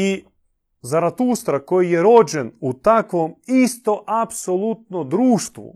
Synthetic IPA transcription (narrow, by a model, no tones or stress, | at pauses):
i | zaɾat̪ust̪ɾakojijeɾod͡ʒenut̪akʋomist̪oʔapsolˠut̪nod̪ɾuːʃt̪ʋṵ